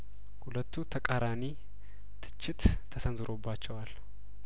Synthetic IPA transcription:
hulət̪ːut̪ʰəkʼaɾani | t̪ʰɨ̥t͡ʃːɪt̪t̪ʰːəsənzɨɾʔo̞bːat͡ʃːɛwal

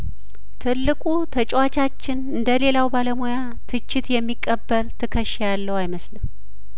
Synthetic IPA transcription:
t̪ʰɨlːɨkʼut̪ʰət͡ʃʼwat͡ʃat͡ʃːɪnɨnd̪əle̞lawbaləmoja | t̪ʰɨt͡ʃːɪt̪jɛmːikʼːəbːəlt̪ʰɨkʰəʃjalːəwajməslɨm

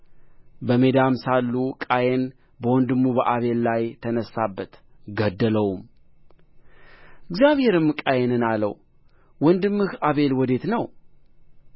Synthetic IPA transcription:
bəme̞d̪amsalːukʼajen | bəwɔnd̪ɨmːubəʔaβe̞lːajt̪ʰənəsːabːət̪ɡəd̪ːələwum | ʔɪɡzjaβhe̞ɾɨmkʼajenɨnalə̰w | wɔnd̪ɨmːɨhaβe̞lwɔd̪e̞t̪nəw

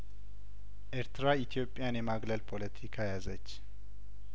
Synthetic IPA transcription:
ʔeɾt̪ʰɨɾait̪ʰijo̞pʼːjanjɛmaɡləlpʰo̞lət̪ʰikʰajazət͡ʃː

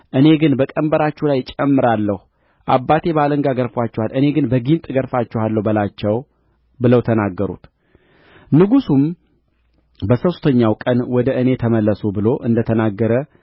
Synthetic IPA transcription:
ʔɨne̞ɡɨnbəkʼəmbəɾat͡ʃːulajt͡ʃʼɛmːɨɾalːəhu | ʔabːat̪ʰe̞baləŋɡaɡəɾfwat͡ʃːɛwalʔɨne̞ɡɨnbəɡint̪ʼɡəɾfat͡ʃːɛhalːəwbəlat͡ʃːɛw | bɨləwt̪ʰənaɡːəɾṵt̪ | nɨɡusum | bəsəwst̪ʰəɲːawkʼənwɔd̪əʔɨne̞t̪ʰəməlːəsubɨlo̞ʔɨnd̪ət̪ʰənaɡːəɾə

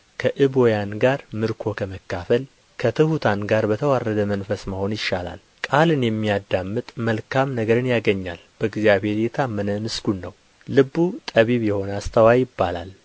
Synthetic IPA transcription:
kʰəʔɨβo̞janɡaɾmɨɾkʰo̞kʰəməkːafəl | kʰət̪ʰɨhut̪ʰanɡaɾbət̪ʰəwarːəd̪əmənfəsməho̞njɪʃːala̰l | kʼalɨnjɛmːijad̪ːamːɨt̪ʼməlkʰamnəɡəɾɨnjaɡəɲːa̰lb̥əɨɡzjaβhe̞ɾjɛt̪ʰamːənəmɨsɡ̥unːəwː | ɨbːut̪ʼəβiβjɛho̞nəast̪ʰəwajɪbːala̰l

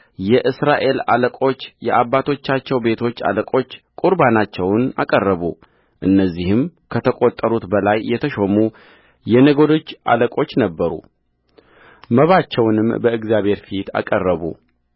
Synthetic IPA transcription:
jɛʔɨsɾaʔe̞la̰ləkʼo̞t͡ʃːjɛʔabːat̪ʰo̞t͡ʃːat͡ʃːɛwbe̞t̪ʰo̞t͡ʃːa̰ləkʼo̞t͡ʃːkʼuɾbanat͡ʃːɛwna̰kʼərːəβu | ʔɨnːəzːihɨmkʰət̪ʰəkʼo̞t̪ʼːəɾut̪bəlajːɛt̪ʰəʃo̞mu | jɛnəɡo̞d̪o̞t͡ʃːʔa̰ləkʼo̞t͡ʃːnəbːəɾṵ | məβat͡ʃːɛwnɨmbəɨɡzjaβʱhe̞ɾfit̪ʰa̰kʼərːəβṵ

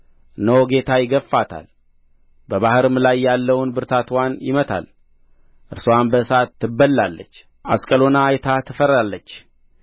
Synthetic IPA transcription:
nəwɡe̞t̪ʰajɪɡəfːat̪ʰa̰l | bəβahɨɾɨmlajːalːəwnbɨɾt̪ʰat̪ʰwanjɪmət̪ʰa̰l | ʔɨɾsowanbəsat̪ːɨbːəlːalːə̰t͡ʃː | askʼəlo̞naːjɛt̪ʰat̪ʰɨfəɾalːət͡ʃː

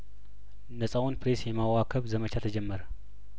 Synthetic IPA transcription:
nəsʼawunpɾesjɛmawakʰəβzəmət͡ʃʰat̪ʰəd͡ʒɛmːəɾə

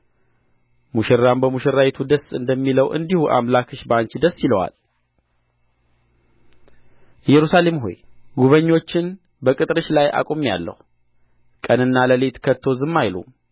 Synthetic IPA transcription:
muʃɪɾːambəmuʃɪɾajɛt̪ʰud̪əsɨnd̪əmːiləwʔɨ̰nd̪ihuʔa̰mlakʰɨʃbaɲt͡ʃd̪əsːiləwa̰l | ɛjɛɾusale̞mɦo̰jɡuβəɲːo̞t͡ʃːɪn | bəkʼɨt̪ʼɾɨʃlajʔa̰kʼomja̰lːə̰hu | kʼənɨnːaləlet̪kʰət̪ʰːo̞zɨmːajlṵ

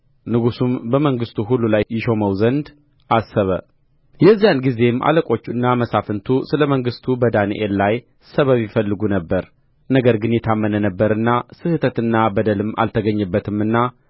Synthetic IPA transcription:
nɨɡusumbəməŋɡɨst̪ʰuɦulːulajːɪʃo̞məwzənd̪ | ʔasːəβə̰ | jɛzːijanɡize̞mʔa̰ləkʼo̞t͡ʃːuɨnːaməsafɨnt̪ʰusɨləməŋɡɨst̪ʰubəd̪anḭʔelːaj | səβəβifəlːɨɡunəbːəɾ | nəɡəɾɡɨnjɛt̪ʰamːənənəbːəɾɨnːasɨhɨt̪ʰət̪ɨnːabəd̪əlɨmːa̰lt̪ʰəɡəɲːɨbːət̪ʰɨmɨnːa

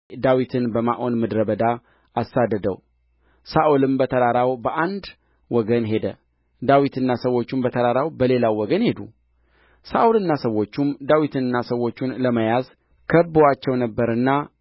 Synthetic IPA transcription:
d̪awit̪ʰɨnbəmaʔo̞nmɨd̪ɾəbəd̪a | asːad̪ːəd̪əw | saʔolɨmbət̪ʰədaɾawbəʔand̪ | wɔɡənɦe̞d̪ə̰ | d̪awit̪ʰɨnːasəwo̞t͡ʃːumbət̪ʰəd̪aɾawbəle̞lawwːɔɡənhe̞d̪ṵ | saʔulɨnːasəwːo̞t͡ʃːumd̪awit̪ʰɨnɨnːasəwːo̞t͡ʃːunləməjaz | kʰəbːowat͡ʃːɛwnəbːəɾɨnːa

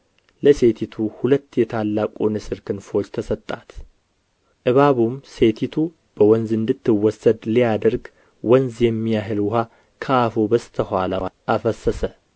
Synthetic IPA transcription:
ləse̞t̪ʰit̪ʰuhulət̪ːjɛt̪ʰalːakʼonɨsɨɾkʰɨnfo̞t͡ʃːt̪ʰəsət̪ʼːat̪ | ʔɨβaβumse̞t̪ʰit̪ʰu | b̥əwɔnzɨnd̪ɨt̪ːɨwɔsːəd̪lijad̪əɾɡ | wɔnzjɛmːijaɦɨlwʊha | kʰəafobəst̪ʰəhʷalaʔafəsːəsə

